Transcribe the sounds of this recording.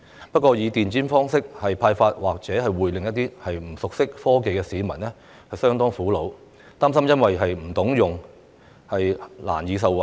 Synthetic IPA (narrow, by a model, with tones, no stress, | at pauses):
pɐ˥t̚kʷɔː˧jiː˨˧t̪iː˨˩nt͡siː˥nfɔː˥ŋsɪ˥k̚hɐ˨jpʰaː˧jfaː˧t̚waː˨k̚t͡sɛː˨˥hɐ˨jwuː˨˩jlɪ˨ŋjɐ˥t̪̚iː˥hɐ˨jm̩˨˩sʊ˨k̚sɪ˥k̚fɔː˥ke˨jkɛː˧siː˨˧mɐ˨˩nɛ˥ | hɐ˨jsœː˥ŋt̪ɔː˥ŋfuː˨˥lo˨˧w | t̪aː˥msɐ˥mjɐ˥nwɐ˨jɦɐ˨jm̩˨˩t̪ʊ˨˥ŋjʊ˨ŋ | hɐ˨jla̰ː˨˩njiː˨˧s̬ɐ˨wɐ˨